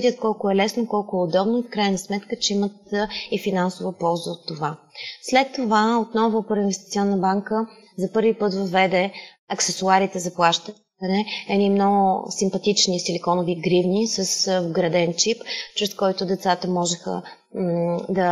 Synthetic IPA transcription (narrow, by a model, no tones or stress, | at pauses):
d̪ʲət̪̚kɔlˠkʊɛlɛsnokɔlˠkʊɛod̪ɔbnofkɾajnɐsmɛt̪kət͡ʃɛimət̪ifinansovəpɔlˠzəot̪ːovaslɛt̪ːovaot̪nɔvʊpəɾinvɛst̪it̪siɔnːəbaŋkə | zɐpɤɾvipɤt̪vɐvɛd̪ɛ | ɐksɛsʊaɾit̪ɛzɐplˠaʃt̪ə | ɐnɛɛnimnɔɡʊsimpɐt̪it͡ʃnisilikɔnoviɡɾivnisəsvɡɾɐd̪ɛnt͡ʃipt͡ʃɾɛskɔjt̪ʊd̪ɛt̪sat̪əmɔʒɛxə̰ | d̪ɐ